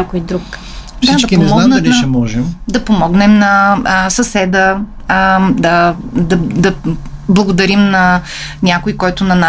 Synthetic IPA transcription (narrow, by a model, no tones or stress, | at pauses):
akojd̪ɾuk | d̪ad̪ɐkioɛmɔnanɐliʃɛmɔʒɛmd̪ɐpomɔɡnɛmnɐsɐsɛd̪ə | d̪ɐd̪ɐd̪ɐblˠɐɡod̪ɐɾimnɐ | nʲakojkɔjt̪ʊnɐna